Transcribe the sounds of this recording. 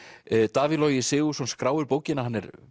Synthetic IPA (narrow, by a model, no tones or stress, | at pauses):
t̪aːviðlɔːjɪsɪːɣʏsɔnskɾaːwʏɾpoːwcɪnahɦanːɛɾ